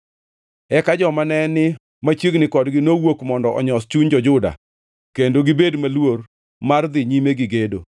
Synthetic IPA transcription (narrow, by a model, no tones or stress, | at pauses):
ɛkad͡ʒɔmanɛnɪ | mat͡ʃjiɡnɪkɔdɡɪnowokmɔndɔʔɔɲɔst͡ʃuɲd͡ʒɔd͡ʒʊda̰ | kendoɡɪbedmalwor | mard̪ɪɲimeɡɪɡedo̰